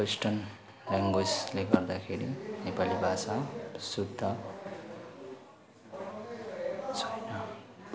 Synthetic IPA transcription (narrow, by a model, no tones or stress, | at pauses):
wesʈʌn | raŋɡwesleɡʌrd̪akʰeɾinepalibʱasasudd̪ʌ | t͡sʰʌjnʌ